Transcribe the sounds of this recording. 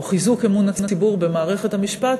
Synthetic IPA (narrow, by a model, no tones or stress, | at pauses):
χizukemunat͡snt͡sibuʁbe̞maːʁe̞χe̞thamiʃpat